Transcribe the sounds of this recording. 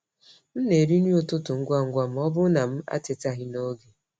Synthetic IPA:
n̩˦ne˨ɾi˦ni˦ʊ˦tʊ˦tʊ˨ŋ̩˦ɡʷa˦˨ŋ̩˦ɡʷa˨m̩˦ɔ˦bʊ˦na˨m̩˦a̰˦tɪ˨ta˦ɦɪ˦no˦ɡe˨

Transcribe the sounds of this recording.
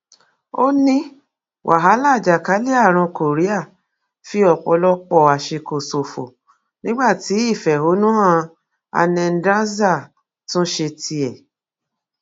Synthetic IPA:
o˦nĩ˦ | wʔa̰˨ɦa˨˦la˦˨d͡ʒa˨ka˨˦li˦a˦˨ɾ̃ã˧ko˨ɾi˨˦a˦˨ | fi˦ɔ˧˨k͡pɔ̰˧lɔ˦k͡pɔ˦˨a˨ʃe˧ko˨so˨fo̰˨ | nĩ˦ɡ͡ba˦˨ti˨˦i˦˨fɛ˨ɦo˨˦nũ˦ã˦˧ | a̰˧nɛ̃˧n̩˦dɾã˦za˦˨ | tũ˦ʃe˧ti˧ɛ˨

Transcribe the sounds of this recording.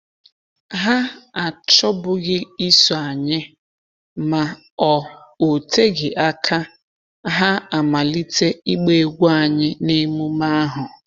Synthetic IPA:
ɦa˦a˨t͡ʃɔ˦bʊ˦ɣɪ˦i˦sɔ˨a˨ɲɪ˦ | ma˨ | ɔ˨o˨te˦ɡɪ˨ʔa˦kʰa˦ | ɦa˦a˨ma˨li˦te˦i˦ɡ͡be˦ɡʷu˦a˨ɲɪ˦ne˦mu˦ma˦ɦʊ˨

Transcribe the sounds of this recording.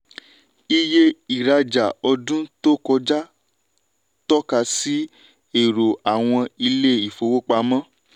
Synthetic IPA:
i˦je˦i˨ɾa˧d͡ʒa˨ɔ˧dũ˦to˦kɔ˧d͡ʒa˦ | tɔ˦ka˧si˦ | e˨ɾo˨a˨w̃ɔ̃˧i˧le˦i˨fo˨wo˦k͡pa˧mã˦

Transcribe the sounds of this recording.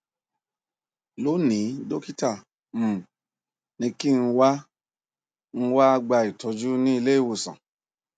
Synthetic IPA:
lo˨˦nĩ˨˦do˦ki˦ta˦˨ | m̩˨ | nĩ˧ki˦n̩˧wa˦ | n̩˦˧wa˦a˧ɡ͡ba˧i˨tɔ˨˧d͡ʒu˦nĩ˦i˧le˦i˦˨wo˧sã̰˨

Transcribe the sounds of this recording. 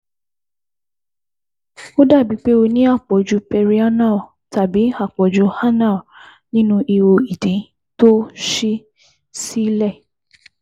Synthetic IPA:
o˦da˦˨bi˨˦k͡pe˦o˧nĩ˦a˦˨k͡pɔ˨d͡ʒu˧˦pɛ˧ɾi˧a˦nã˦˨ | ta˨bi˨˦a˦˨k͡pɔ˨d͡ʒo˨˧˦ha˦na˦˨ | nĩ˦nũ˦ʔi˧wo˧i˨dĩ˨˦ | to˦ʃi˦ | si˦lɛ˦˨

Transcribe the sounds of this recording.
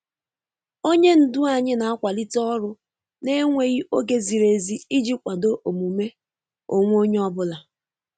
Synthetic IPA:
o˦ɲe˦n̩˨dʊ˦a˨ɲɪ˦na˨a˦kʷa˨li˦tɔ˦ɾʊ˦ | ne˦ŋʷe˨ɣi˦ʔo˦ɡe˨zi˨ɾe˨zi˦i˦d͡ʒi˦pkʷa˨do˦ʔo˨mu˨me˦ | o˨ŋʷ˦o˦ɲe˦ɔ˦bʊ˦la˨

